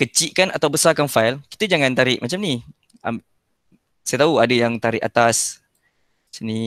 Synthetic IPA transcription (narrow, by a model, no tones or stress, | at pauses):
kət͡ʃiʔkanʔa̰t̪awbəsakanfajlki̥t̪əd͡ʒaŋãnt̪aɾɪʔmat͡ʃamni | am | sajat̪auadəjaŋt̪aɾɪʔa̰t̪as | səni